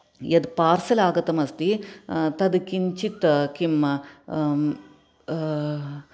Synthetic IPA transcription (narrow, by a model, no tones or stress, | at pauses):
jɐd̪paːɾsɐlaːɡɐt̪ɐmɐst̪it̪ɐd̪ɨkint͡ʃit̪ɐkimːɐ